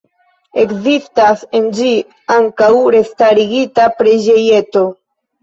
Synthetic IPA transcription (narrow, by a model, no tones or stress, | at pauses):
e̞kzistase̞nd͡ʒi | aŋkawɾe̞staɾiɡitapɾed͡ʒe̞je̞to̞